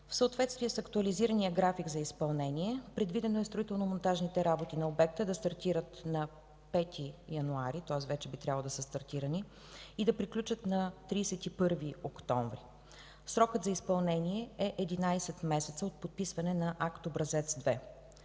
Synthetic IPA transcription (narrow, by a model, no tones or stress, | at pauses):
fsəot̪vɛt̪st̪viɛsɐkt̪uɐliziɾənijəɡɾafiɡzɐispɐlˠnɛniɛpɾɛd̪vid̪ɛnoɛst̪ɾoit̪ɛlˠnomont̪aʒnit̪ɛɾabot̪inɐobɛk̚t̪əd̪ɐst̪ɐɾt̪iɾət̪nɐ | pɛt̪ʰijɐnuaɾit̪oəsvɛt͡ʃɛbit̪ɾʲjavlˠd̪ɐsəst̪ɐɾt̪iɾəni | id̪ɐpɾiklʲut͡ʃət̪nɐt̪ɾiːsɛt̪ipɤɾviokt̪ɔɱvɾi | sɾɔkət̪zɐispɐlˠnɛniɛɛʔɛd̪inajsɛt̪mɛsɛt̪səot̪̚pot̪̚pisvɐnɛnɐʔakt̪obɾɐzɛt̪sd̪vɛ